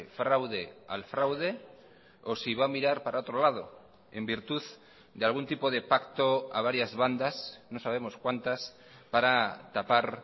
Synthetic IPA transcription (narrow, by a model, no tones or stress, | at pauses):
fɾawðe̞a̰lfɾawð̞e̞ | osiβamiɾaɾpaɾao̞t̪ɾolað̞o̞̰ | e̞mbiɾt̪uð | d̪ealɣ̞unt̪ipo̞ð̞e̞pak̚t̪o̞aβ̞aɾjazβand̪asno̞saβ̞e̞mo̞skwant̪as | paɾat̪apaɾ